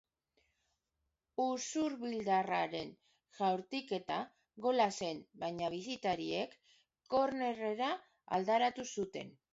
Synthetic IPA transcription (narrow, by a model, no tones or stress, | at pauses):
usuɾβild̪araɾe̞n | ʝawɾt̪ike̞t̪a | ɣo̞lase̞nbajɲaβ̞isit̪aɾie̞kː | o̞ɾne̞reɾa | a̰ld̪aɾat̪usut̪e̞̰n